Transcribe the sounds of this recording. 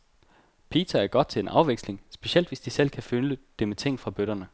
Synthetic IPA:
pʰḭːt͡sʰɐæɐɡ̥ɒ̽d̥̚t͡sʰe̝lenʔɑ̈ʊʋeɡ̥sle̝ŋsb̥e̝ɕiel̰d̥ʋesd̥isel̰kʰæføləd̥e̝met͡sʰe̝ŋ̰fʁɑ̈b̥øɾ̥ɐnə

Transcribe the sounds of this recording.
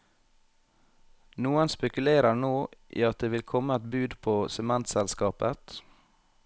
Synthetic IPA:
nuːənspɛkʉleːɾəɳoːʔḭːɑt̪̚d̪eːʋɪlkʰɔməɛt̪bʉːd̪pʰoːsɛmɛnt̪sɛlskɑːpət̪

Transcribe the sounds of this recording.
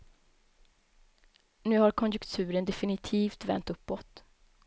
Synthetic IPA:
nʉ̟ːhaɾkʰɔnjɵkt̪ʰʉ̟ːɾənd̪ɛfɪnɪt̪ʰiːft̪vɛ̰nt̪ɵpːɔt̪

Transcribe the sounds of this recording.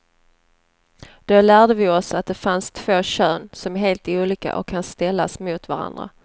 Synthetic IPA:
d̪̥olæːɖəvɪɔsat̪̚d̪ɛfanst̪ʰv̥oːɕøːnsɔmæɦeːlt̪uːliːka̰ʔɔ̰kʰːanst̪ɛlːa̰smʊt̪vaɾa̰nd̪ɾa̰

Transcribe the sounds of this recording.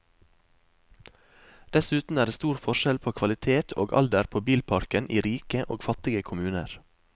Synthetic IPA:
d̪̥ɛsʉːt̪n̩æːɾɖeːst̪uːɾfɔʃɛlpʰoːkʰʋɑlɪt̪ʰeːt̪ʰo̰ːɡɑ̰ld̪əɾpʰoːbiːlpʰɑɾkənʔiːɾiːkəʔoːɡfɑt̪ɪɡəkʰʊmʉːnəɾ

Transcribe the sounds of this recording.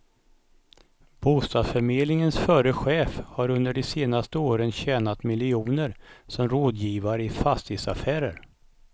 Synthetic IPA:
b̥uːst̪ɑːsfœɾmeːd̪lɪŋənsfœːɾəɧeːfhaɾɵnd̪əɖɛseːnast̪əoːɾənɕɛːnat̪mɪlːɪuːnəɾsɔmɾoːd̪jiːvaɾəɪfast̪ʰɪsa̰fæːɾə̰ɾ

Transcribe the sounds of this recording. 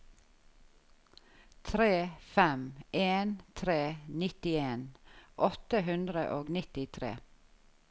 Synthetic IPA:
t̪ʰɾeːfɛmʔeːnt̪ʰɾeːnɪt̪ɪeːnʔɔt̪əɦʉnd̪ɾə̰ʔoːɡnɪt̪ɪt̪ʰɾḛː

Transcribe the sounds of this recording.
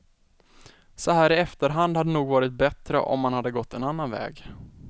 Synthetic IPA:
sɔɦæːɾɪɛft̪əɾɦand̪had̪ːənuːɡvɑːɾɪt̪̚bɛt̪ɾə̰ʔɔ̰mːanhad̪ːəɡɔt̪ːɛnanːanvɛ̰ːɡ

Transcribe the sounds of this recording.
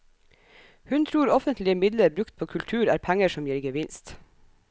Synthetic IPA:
hʉnt̪ʰɾuːɾɔfənt̪lɪəmɪd̪ləɾbɾʉkt̪̚pʰoːkʰʉlt̪ʰʉːɾæ̰ːɾpʰæŋəʃɔmjiːɾɡəʋɪnst̪

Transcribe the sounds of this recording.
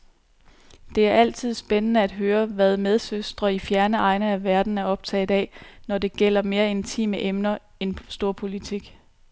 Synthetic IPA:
d̥e̝æɐʔæl̰t͡sʰið̞̰ˠsb̥enənəæd̥ɦøːɐʋæð̞ˠmeð̞ˠsøsd̥ʁɐifjæɐnəɑ̈ɪnəæʋæɐd̥n̩æɐɒ̽b̥̚t͡sʰɛ̰ːðˠɛ̰nɒde̝ɡ̥el̰ɐme̝ːɐe̝nt͡sʰḭːməʔemnɐ | ensd̥o̝ɐ̰pʰo̝lit͡sʰiɡ̥

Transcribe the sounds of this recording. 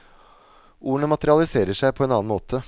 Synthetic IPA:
ʔuːəɳəmɑt̪əɾɪɑlɪseːɾəʂæɪpʰɔeːnɑːɑnmoːt̪ʰə

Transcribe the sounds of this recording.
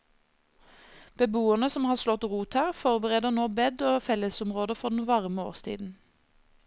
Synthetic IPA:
b̥əbuːənəsɔmhɑːʁslɔt̪ʁuːt̪hæːʁfɔʁbəʁeːd̪əʁnoːbɛd̪oːfɛləsʊmʁoːd̪əfɔʁd̪n̩ʋɑʁəmo̰ːʁst̪ʰḭːd̪n̩

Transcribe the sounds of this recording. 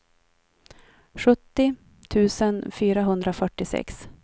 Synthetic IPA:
ɧɵt̪ːɪ | t̪ʰʉ̟ːsənfyːɾaɦɵnd̪ɾafœʈːɪsɛ̰ks

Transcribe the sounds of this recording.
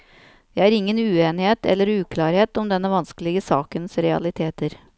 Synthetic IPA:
ɛæɾɪŋːənʉːeːnɪheːt̪ɛ̰lːəɾʉːkʰlɑːɾheːt̪ɔmd̪ɛnːəʋɑnskəlɪɡəsɑ̰ːkənsɾɛɑ̰lɪt̪ʰeːt̪əɾ

